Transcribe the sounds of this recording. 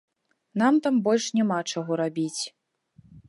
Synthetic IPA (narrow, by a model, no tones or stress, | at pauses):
n̪amt̪ambɔlʲʂnʲɛmat͡ʂaɣɔɾabʲit͡sʲ